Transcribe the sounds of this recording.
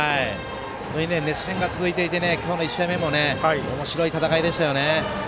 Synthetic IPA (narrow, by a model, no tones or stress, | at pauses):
ai | soiine̞ne̞ɕẽŋɡat͡sɨzɨit̪e̞it̪e̞ne̞kʲo̞ːno̞iɕame̞mo̞ne̞ao̞mo̞ɕiɾo̞it̪at̪akaid̪e̞ɕi̥t̪ajo̞ne̞